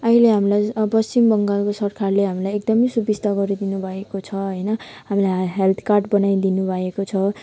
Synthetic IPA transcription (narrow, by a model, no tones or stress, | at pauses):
ʌɦileɦamilajpʌst͡simbʌŋɡalkosʌrkʰarleɦamilajek̚d̪ʌmʌjsubist̪aɡʌɾid̪inubʱʌekot͡sʰʌɦʌjnʌɦamilajɦelt̪ʰkarʈbʌnajd̪inubʱʌekot͡sʰʌ